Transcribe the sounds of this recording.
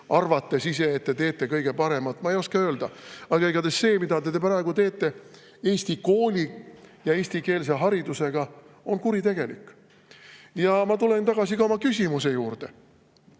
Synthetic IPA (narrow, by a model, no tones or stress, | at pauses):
ɑrvɑt̪ːe̞sise̞ːt̪ːe̞t̪e̞ːt̪ˑːe̞kɤjɡ̥e̞pɑɾe̞mɑt̪ːˑmɑejo̞skɑø̞ːld̪ɑɑɡ̥ɑeɡɑd̪esːe̞ːmid̪ɑt̪e̞t̪epæɾɑeɡ̥ut̪e̞ːt̪ːˑe̞ | e̞ːsʲt̪iko̞ːlʲijɑe̞ːsʲt̪ike̞ːls̬e̞ɦɑɾid̪use̞ɡ̥ɑo̞nkuɾit̪e̞ɡ̥e̞likːˑ | jɑmɑt̪ule̞nt̪ɑɡ̥ɑsikɑomɑkysʲimuse̞juːrd̪̥e̞